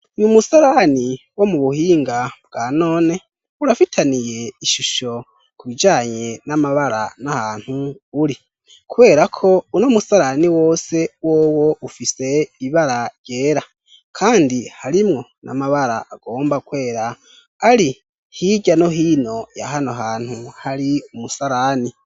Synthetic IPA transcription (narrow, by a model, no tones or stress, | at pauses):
ɲumusaɾani | wo̞muβuhiːŋɡabɡ̥aːno̞ːne̞ | uɾafitʰanije̞iʃuʃo̞ | kuβid͡ʒaːɲe̞namaβaɾa̰nahaːn̥huːɾi | kuβe̞ːɾakʰo̞unomusaɾaniwo̞ːse̞woːwo̞ʔufise̞iβaɾaɾɟ̥e̞ːɾa | kʰaːndihaɾimŋo̞nʔa̰maβaɾa̰ʔaɡ̥o̞ːmbakwe̞ːɾaː | ɾi | hiɟano̞ɦiːno̞ja̰ɦanoɦaːn̥huhaɾiumusaɾaːni